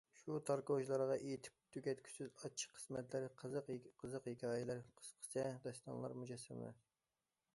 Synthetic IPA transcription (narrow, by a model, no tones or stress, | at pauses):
ʃut̪ʰɑɾkod͡ʒlˠɑɾʁɑʔejt̪ʰɪ̥p̚t̪ʰykʲɛt̪̚kʲʰy̥sɪzɑt͡ʃʰːi̥qʰə̥smɛt̪lɪɾqʰəzəqʲqʰəzəqjekʲʰɑːjɪlæɾqʰə̥sqʰə̥sɛd̪ɛst̪ɑ̰nlˠɑ̰ɾmud͡ʒɛsːɛm̰lɪ̰ɾ